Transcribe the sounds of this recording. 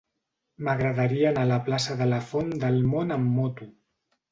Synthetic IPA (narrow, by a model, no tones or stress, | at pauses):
məɣɾəðaɾiənalaplasəðələfond̪əlmonəmːot̪u